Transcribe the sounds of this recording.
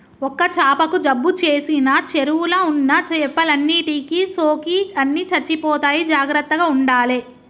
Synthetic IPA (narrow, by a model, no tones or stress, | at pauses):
ɔkːɐt͡ʃaːpɐkuɖɐbːut͡ʃeːsinɐt͡ʃeɾuwulɐunːɐt͡ʃpːɐlɐnːiʈikisoːkiɐnːiːt͡ʃɐɾt͡ʃːipɔːt̪aːjid͡ʒaːɡɾɐt̪ːɐɡaːuɳɖaːle